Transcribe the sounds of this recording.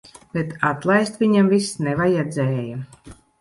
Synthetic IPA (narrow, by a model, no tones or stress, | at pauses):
b̥et̪ʰat̪lˠajst̪vʲiɲamvisnɛvajɛd̪zɛːja